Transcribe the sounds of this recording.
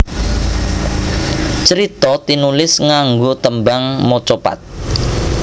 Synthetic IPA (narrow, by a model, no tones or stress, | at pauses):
t͡ʃəɾit̪ɔt̪inulɪsŋaŋɡot̪əmbaŋmot͡ʃopa̰t̪̚